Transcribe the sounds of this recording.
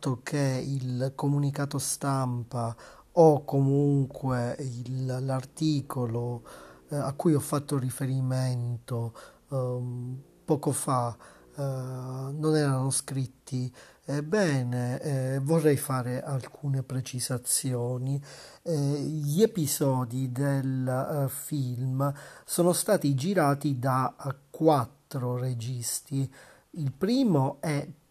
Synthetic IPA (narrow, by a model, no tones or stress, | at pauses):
t̪ːokʰeilkomunikaːt̪ost̪ampa | ɔkːomuŋkweillart̪iːkolo | akːujɔfːat̪ːorifeɾiment̪o | pɔːkofa | nonɛːɾanoskɾit̪ʰːiɛbɛːnevorːɛjfaːɾeʔalkʰuːnepɾet͡ʃizat̪sːjɔːni | ʎepizɔːd̪id̪elfilmsɔːnost̪aːt̪id͡ʒiɾaːt̪id̪akːwat̪ːɾored͡ʒist̪i | ilpɾiːmoɛ